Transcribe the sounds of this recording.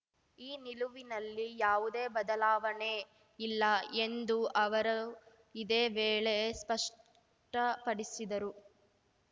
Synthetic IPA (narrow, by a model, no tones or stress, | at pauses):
iːniluʋinɐlːijaːʋud̪e̞ːbɐd̪ɐlaːʋɐne | ilːɐend̪uʔɐʋɐɾɐ | id̪eːʋeːɭe̞spɐʂ | ʈɐpɐɽisid̪ɐɾu